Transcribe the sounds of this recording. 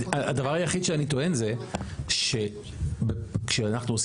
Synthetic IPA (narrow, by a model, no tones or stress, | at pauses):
aad̪avaʁajaχid̪ʃeanit̪o̞e̞nze̞ʃe̞ | bekʃeanaχnuos